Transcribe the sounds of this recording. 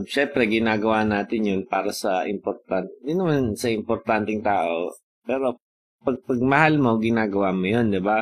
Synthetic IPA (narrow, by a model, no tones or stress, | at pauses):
ʃɛmpɾɛɡɪnaːɡɐwaːnaːt̪ɪnjʊnpaːɾɐsɐʔɪmpoɾt̪ant̪jʊnɐmansɐʔɪmpoɾt̪ant̪ɪŋt̪aːʔo̞̰ | pɛːɾo̞ | pɐɡ̚pɐɡ̚mɐhalmo̞ɡɪnaːɡɐwaːmojond̪ɪba